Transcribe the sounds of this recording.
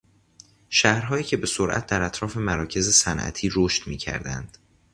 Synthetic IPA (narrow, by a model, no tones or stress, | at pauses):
ʃæhɾɦɒːjiːcʰebe̞soɾʔæ̰t̪̚d̪æɾæt̪ʰɾɒːfe̞mæɾɒːcʰe̞ze̞sænʔæ̰t̪ʰiːɾoːʃt̪miːcʰæ̰ɾd̪æ̰nd̪̥